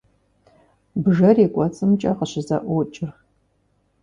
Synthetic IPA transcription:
bɨʒɐreːkʷʼɔt͡sʼɨmt͡ʃʼɐqəɕɪzɐ̰ʔʷɔt͡ʃʼɪr

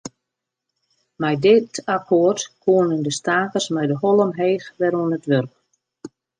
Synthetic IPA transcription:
mɛjdɪtakʰoərtkʰuənəndəstaːkərsmɛjdəhɔlˠəmɦeːxʋɛɾuənətʋørp̚

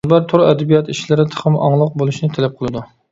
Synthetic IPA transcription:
bæɾt̪ʰʊɾɛd̪ɛbijɑt̪iʃlɪɾɪt̪ʰə̥χəmɑ̰ŋlˠəq̚bolˠuʃnɪt̪ʰɛlɛp̚qʰəlˠɨd̪u

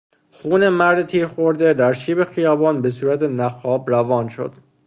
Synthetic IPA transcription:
xuːne̞mæɾd̪et̪ʰiːɾxoɾd̪ed̪æɾʃiːbe̞xijɒːbɒːnbe̞suːɾæt̪ʰe̞næxɒːbrævɒːnʃo̰d̪̥

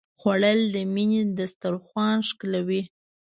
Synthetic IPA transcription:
xwaɽəld̪əmined̪əst̪aɾxwɑnʂklawi

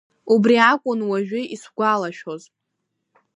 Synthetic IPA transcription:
ubriakʷʼʊnwaʒᶣɪisɡʷalaʃᶣo̞zʼ

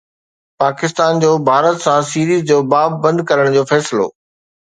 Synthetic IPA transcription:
paːkɪst̪aːnd͡ʑoːbʱaːɾət̪sãsiːɾiːzd͡ʑoːbaːbːɐ̃nd̪̚kɐɾəɽ̃d͡ʑoːfɛːsɪlo̰ː

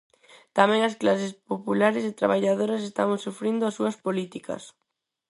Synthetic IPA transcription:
t̪amɛ̃ŋɐsklasespopulaɾɪsɪt̪ɾa̰βaʎaðoɾɐsest̪amsufɾind̪ʊasuɐspolit̪ikɐ̰s

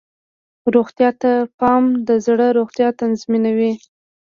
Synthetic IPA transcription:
ɾoɣt̪jɑt̪apɑmd̪əzɽəɾoɣt̪jɑt̪anzminawi

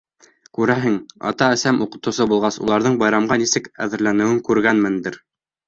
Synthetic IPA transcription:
kʉɾæɦɘŋɑ̰t̪ɑɘ̆sæmʔuqɤ̆t̪ɤ̆wsɤbulˠʁɑsṵlˠɑɾðɤɴbɑjɾɑmɢɑnisɘkæ̰ðɘ̆ɾlænɘ̆wɘŋkʉɾɡænmɘnd̪ɘɾ

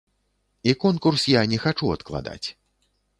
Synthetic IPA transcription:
ikɔnkursjanʲɛxat͡ʂuɐt̪klˠa̰d̪a̰t͡sʲ

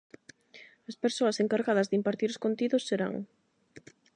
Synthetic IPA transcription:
aspeɾsoɐseŋkaɾɣað̞ɐzðɪimpaɾt̪iɾoskont̪iðʊsːeɾa̰ŋ

